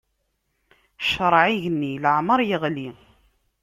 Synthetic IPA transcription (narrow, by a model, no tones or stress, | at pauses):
ʃɾˤʕiʝənːiləʕməɾˤjəʁli